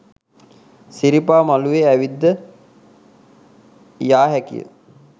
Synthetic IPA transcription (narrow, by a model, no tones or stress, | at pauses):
siɾipaːmaluʋeæʋid̪ːə | jaːɦɛkḭjə̰